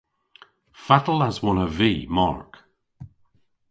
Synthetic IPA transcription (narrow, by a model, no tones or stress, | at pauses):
fatəl̩əzwɔnəviːma̰ɹk